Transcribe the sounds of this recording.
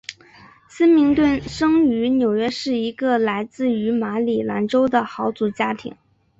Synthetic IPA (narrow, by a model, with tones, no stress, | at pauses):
sə˥nmi˧˥ŋt̪wə˥˩nʂɤ˥ŋy˧˥njo˨˩ʊɥɛ˥ʂɻ̩˥˩i˧˥ɡə˧la˧˥ɪt͡sɹ̩˥˩y˧˥ma˧˥li˨˩la˧˥nʈ͡ʂo˥ʊd̪ə˨xɑ˧˥ʊt͡su˨˩t͡ɕja˥t̪ʰḭ˧˥ŋ